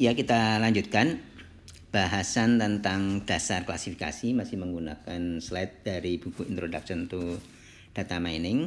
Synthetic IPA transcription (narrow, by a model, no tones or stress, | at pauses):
jakit̪alaɲd͡ʒut̪̚kan | b̥aɦasant̪ənt̪aŋd̥asarkla̰sifika̰simasɪhməŋɡunakanslɛt̪̚d̥aɾib̥ukuint̪ɾodaksɔnt̪u | d̥at̪amajnɪŋ